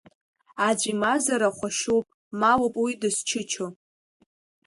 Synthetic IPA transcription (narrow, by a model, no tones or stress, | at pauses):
ad͡ʒʷimazaɾaχʷaʃowpʼ | malopʼwidɨst͡ʃʰɪt͡ʃʰo